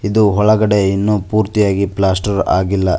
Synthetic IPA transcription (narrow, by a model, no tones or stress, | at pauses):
id̪uɦɔɭɐɡɐɽeinːupuːɾt̪ijaːɡiplaːsʈɐɾa̰ːɡilːɐ